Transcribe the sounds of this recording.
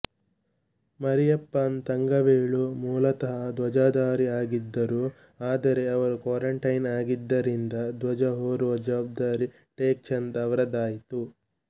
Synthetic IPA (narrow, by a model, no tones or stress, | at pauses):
mɐɾijɐpːaːnt̪ɐŋɡɐʋeːɭumuːlɐt̪ɐɦɐd̪ʋɐd͡ʒaːd̪aːɾiaːɡid̪ːɐɾuː | aːd̪ɐɾe̞ɐʋɐɾukwaːɾɐɳʈɐjnaːɡid̪ːɐɾind̪ɐd̪ʋɐd͡ʒɐɦoːɾʋɐd͡ʒaːb̚d̪aːɾi | ʈeːk̚t͡ʃɐnd̪ɐʋɐɾɐd̪aːjit̪u